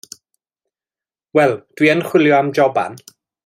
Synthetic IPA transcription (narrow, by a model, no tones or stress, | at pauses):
wɛlˠd̥wiːənχw̥ɪljɔamd͡ʒɔba̰n